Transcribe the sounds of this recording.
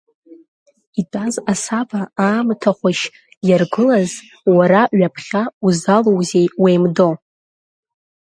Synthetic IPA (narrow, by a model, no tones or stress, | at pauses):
itʼazasabaaːmtʰaχʷaʃ | jarɡɨlaz | waɾaɥapʰχʲauzalowzejwejmdo̞